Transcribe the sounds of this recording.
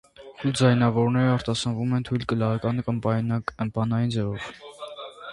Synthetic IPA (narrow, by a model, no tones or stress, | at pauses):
t̪ʰuld͡zɑjnɑvɔɾnɛɾəɑɾt̪ɑsɑnvumɛnt̪ʰujlkəlɑɑkɑnkəp̪əmpɑnɑjind͡zɛvɔv